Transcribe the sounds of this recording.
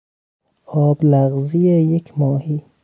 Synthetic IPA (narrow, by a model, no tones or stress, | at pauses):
ɒːblæɣzijejekʰmɒːhiː